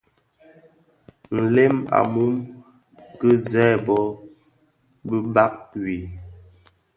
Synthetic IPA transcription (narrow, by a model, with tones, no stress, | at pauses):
n̩˨le˦ma̰˨mu˦m | kə˦zɛː˦˨bɔ˦ | bə˦ba˦k̚wi˨